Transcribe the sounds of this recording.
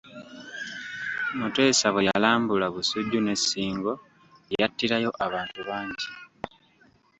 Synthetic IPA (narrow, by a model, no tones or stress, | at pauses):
mute̞ːsaβwejalaːmbulaβusuɟːune̞siːŋɡo̞ | ejatːiɾajo̞ʔaβaːntuβaːɲɟi